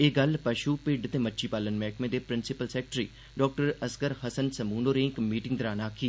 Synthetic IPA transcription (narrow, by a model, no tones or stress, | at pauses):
eːɡɐlpɐʃupɪɖt̪emɐtːʃʰipaːlənmɛːkmẽd̪epɾɪnsɪpəlsɛːk̚ʈɾiː | ɖɔːk̚ʈəɾɐskəɾɦɐsənsɐmuːnoːɾẽːkmiːʈɪ̃ŋɡd̪əɾaːnaːkʰiː